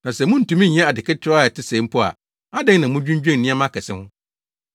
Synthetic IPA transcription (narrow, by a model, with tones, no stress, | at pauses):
nã˨sɛ˨mʊ̃˦n̩˨tũ˨˦mĩ˦ɲ˨ɛ̃˦a˨dɪ˨kɪ˦tʰɪ˦ɾa˦˨ɛ˨tɪ˦sẽ˨˦m̩˦pʰʊ˦a̰˨ | a˦dɛ̃˦ŋnã˨mũ˦d͡ʑᶣũ˦ɲd͡ʑᶣɛ̃˦˨n̩˨nĩ˦a˦mã˦kʰɛ˨sɪ̃˦hʊ̃˦